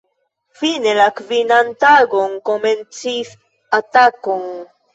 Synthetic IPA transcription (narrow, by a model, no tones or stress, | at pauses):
fine̞lakvinantaɡo̞nko̞ment͡sis | atako̞n